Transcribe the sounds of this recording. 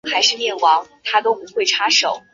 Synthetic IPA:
xa˧˥ɪʂɻ̩˥˧mjɛ˥˩nwɑ˧˥ŋt̪ʰa˥t̪o˥ʊpu˧˥xwe˥˩ɪʈ͡ʂʰa˥ʂo˨˩˦ʊ

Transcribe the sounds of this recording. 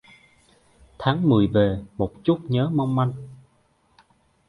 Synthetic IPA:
t̪ʰaː˨˦ŋmɨ˨˩əjve˨˩mo˨˩t̚t͡ɕu˦˥t̚ɲəː˨˦ma˧wŋ͡mma˧jŋ

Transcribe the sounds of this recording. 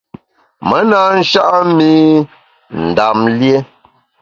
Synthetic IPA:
mə˨˦naː˦n̩˦ʃa˦ʔmi˦ | n̩˨da˨mlje˦

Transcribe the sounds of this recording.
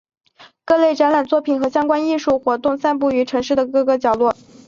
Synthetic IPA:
kɤ˥˧le˥˩ɪʈ͡ʂa˧˥nla˨˩nt͡swɔ˥˩pʰi˨˩nxɤ˧˥ɕjɑ˥ŋkwa˥ni˥˧ʂu˥˩xwɔ˧˥t̪ʊ˥˧ŋsa˥˧np̬u˥˩y˧˥ʈ͡ʂʰɤ˧˥ŋʂɻ̩˥˩d̪ə˩kɤ˥˧kɤ˥˩t͡ɕjɑ˨˩ʊlwɔ˥˩

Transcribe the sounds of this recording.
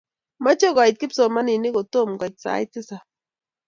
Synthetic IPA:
ma˦t͡ʃɔ˦ka˨i˨t̪̚kɪ˦psɔ˨ma˦ni˨nɪ˦ko˨to˦˨mɡa˨t̚sa̰˨˦jtɪ˦sa˨

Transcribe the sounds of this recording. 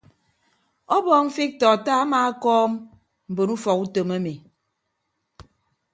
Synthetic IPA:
ɔ˦bɔː˦˨m̩˦fi˦k̚tɔ˨taː˦a˦maː˦a˦kɔː˦m | m̩˨bo˨nu˦fɔ˨ku˦to˨ma˦me˨

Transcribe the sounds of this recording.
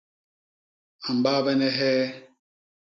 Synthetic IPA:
a˨m̩˨ba˦bɛ˦nɛ˦ɦɛː˦

